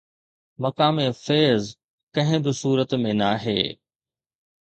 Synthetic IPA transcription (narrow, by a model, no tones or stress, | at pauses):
mɐkaːmefeːz | kɐ̃ɦɪ̃bɪsuːɾət̪mẽnaːɦḛː